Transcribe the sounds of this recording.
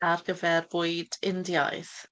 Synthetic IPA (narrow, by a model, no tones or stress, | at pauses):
arɡəvɛrvʊɨdɪndja̰ɨθ